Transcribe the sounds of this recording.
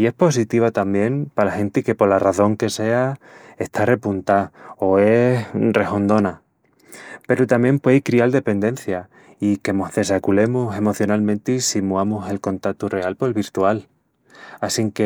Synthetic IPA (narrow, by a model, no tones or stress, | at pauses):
ie̞hpo̞s̬it̪iβ̞at̪ambje̞npalaxẽ̞nt̪ike̞po̞ɾlaraθo̞ŋke̞se̞ae̞ht̪ʰare̞punt̪aoe̞sre̞ho̞nd̪o̞na | pe̞ɾut̪amje̞mpwe̞ðikɾiald̪e̞pe̞nd̪e̞n̟θja | ike̞mo̞zðe̞sakule̞muse̞mo̞θjonalmẽnt̪eisimuamuse̞lko̞nt̪at̪ure̞alpoelβiɾt̪ual | asiŋke